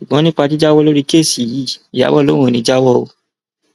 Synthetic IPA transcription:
ʃu˨ɡ͡bɔ̃˨˦nĩ˦k͡pa˧t̬i˦d͡ʒa˦wɔ˦lo˦ɾi˦ke˦˨si˨jiː˨˦˨i˨ja̰˨˦wɔ˦˨lõ˨˦õ˦˨nĩ˧˦d͡ʒa˦wɔ˦o˧

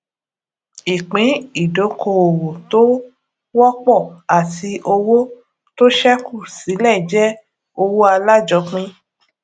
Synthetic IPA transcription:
i˨k͡pĩ˨˦i˦˨do˨˦kʰo˧˨o˨wo˨to˦ | wɔ˦k͡pɔ˦˨a˨ti˧ʔo˧wo˦ | to˦ʃɛ˦ku˦˨si˨˦lɛ˦˨d͡ʒɛ˦ | o˧wo˦a˧la˦d͡ʒɔ˧˦k͡pĩ˦

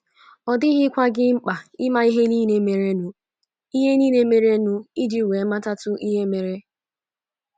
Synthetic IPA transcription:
ɔ˨dɪ˦ɦɪ˦kʷa˦ɡɪ˦ŋ͡m̩˦k͡pa˨ɪ˦ma˦i˦ɦe˦niː˦ne˦me˨ɾe˦nʊ˨ | i˦ɦe˦niː˦ne˦me˨ɾe˦nʊ˦i˦d͡ʒi˦˨we˨˦ma˦ta˦tʊ˦ʔi˦ɦe˦me˨ɾe˦

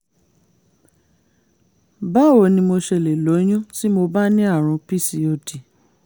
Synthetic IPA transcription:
ba˦˨wo˨nĩ˧mo˧ʃɛ˧˨le˨lo˨˦j̃ũ˦si˦mo˧ba˦nĩ˦a˦˨ɾ̃ũ˧pi˦˨si˨o˦˨ti˨

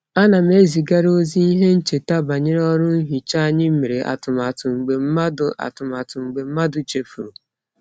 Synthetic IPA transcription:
a˦na˨m̩˦e˦zi˨ɡa˦ɾo˦zi˦i˦ɦe˦n̩˦t͡ʃe˨ta˦ba˨ɲe˦ɾɔ˦ɾʊ˦n̩˦ɦi˨t͡ʃa˦a˦ɲɪ˦m̩˦me˨ɾe˨ʔa̰˨tʊ˨ma˨tʊ˨ŋ͡m̩˨ɡ͡be˨m̩˦ma˦dʊ˦a̰˨tʊ˨ma˨tʊ˨ŋ͡m̩˨ɡ͡be˨m̩˦ma˦dʊ˨t͡ʃe˨fu˨ɾo˨

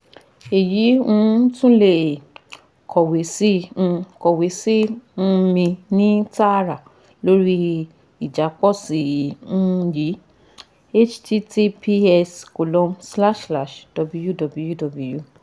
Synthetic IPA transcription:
e˨ji˨˦ũ˦˨˦tũ˦le˦˨ | kʰɔ˨we˨˦sĩ˦˧kɔ˨we˨˦si˦ũ˧˦mĩ˧nĩ˦ta˦˨ɾa˨ | lo˦ɾi˦ | i˨d͡ʒa˨˦k͡pɔ˦si˨ũ˦˧ji˨˦ | e˦t͡ʃte˦te˦pʰi˦ɛ˧sko˨lɔ̃˨˧msla˦˨ʃla˦˨ʃd̥ɔ˨bu˧˦ju˦dɔ˨bu˨˧ju˦dɔ˨bu˨ju˦˨

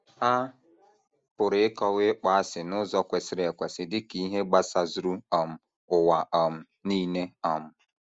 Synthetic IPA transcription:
a˦ | pʊ˨ɾɪ˨˦ɪ˦kɔ˦ɣɪ˦k͡pa˨a˦sɪ˨nʊ˦zɔ˦kʷe˨sɪ˦ɾe˨kʷe˨sɪ˨dɪ˦ki˦ɦe˦ɡ͡ba˦sa˨zu˦ɾu˦ɔ˨m̩˨ | ʊ˨wa˨ʔɔ˨m̩˨ | niː˦ne˦ɔ˨m̩˨

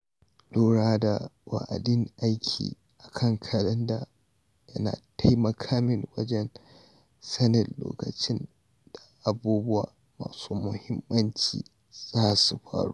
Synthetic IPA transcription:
luː˦ɽaː˦da˨wa̰˨ʔa̰˨dɪ˦ŋʔa˦jkʲʰḭː˨ | ʔa˨kʰɐ˦ŋkʰɐ˨lɐ˦nda˨ | jɐ˦na̰ː˨ta˦jmɐ˨kʰaː˦mɪ˨ŋwɐ˦d͡ʒɛ˦n | sɐ˦nɪ˨nlo̰ː˨kɐ˨t͡ʃɪ˦n | d̥a˨ʔa˨buː˦bʊ˦wa̰ː˨ | ma̰ː˨suː˦mʊ˨hɪ˦mːɐ˦nt͡ʃḭː˨ | z̥aː˦su˨ɸa̰ː˦ɽṵː˦

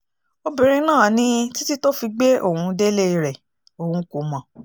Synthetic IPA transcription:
o˧bĩ˧ɾ̃ĩ˧nãː˦˨nĩ˦ti˦ti˦to˦fi˧ɡ͡be˦ʔo̰˦˨hũ˧de˦le˦˧ɾɛ˨ | o˨hũ˧˦ko˨mɔ̃˨

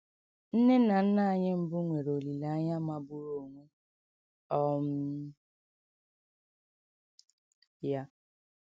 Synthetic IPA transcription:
n̩˦ne˦na˨n̩˦na˦a˨ɲɪ˦m̩˦bʊ˦ŋʷe˨ɾo˨li˨la˨˦a˦ɲa˦ma˨bʊ˦ɾo˨ŋʷe˦ | ɔ˦m̩˦ | ja˦

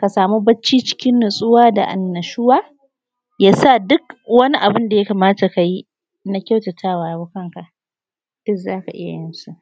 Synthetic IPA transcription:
ka˨saː˨mu˦bɐ˦t͡ʃːiː˦t͡ʃɪ̥˦kʲɪ˦nːʊ˨sʼʊ˦waː˦da̰˨ʔa̰˨nːɐ˨ʃʊ˦waː˦ | jaː˦sa˦˨dʊ˦kwɐ˦ni˦ʔa˨bɪ˦nda˨ja˦kaː˨maː˦ta˨ka˨ji˦ | na˦kʲa˦˨wtɐ˨tʰaː˦˨waː˨jbʊ˦kɐ˦ŋka˨ʔ | d̥ʊ˦kzaː˦ka˨ʔɪ̰˦ja̰˨jɪ˦nsu˦ʔ

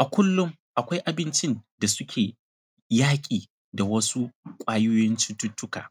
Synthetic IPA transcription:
ʔa˨kʷʊ˦lːʊ˦ŋ | ʔa˨kʷa˦jʔa˨bɪ˦nt͡ʃɪ˦nda˨sʊ˦kʲʰeː˨ | jaː˦kʲʼiː˨ | da˨wɐ˦su˦kʷʼaː˦jʊː˦jɔ˦nt͡ʃi˦tːʊ˦tːʊ˦ka̰ː˨

